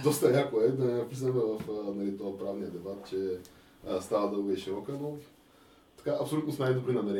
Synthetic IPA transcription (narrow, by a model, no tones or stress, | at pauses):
d̪ɔst̪ɐlakoɛd̪ɐpɾiznɛmɛvəfnɐlit̪ɔəpɾavnijəd̪ɛbat̪̚t͡ʃɛ | st̪avəd̪əuviɛʃiɾɔkəno | t̪ɐ̥kaɐːpsolʲut̪nosnajd̪obɾinɐmɛɾɛ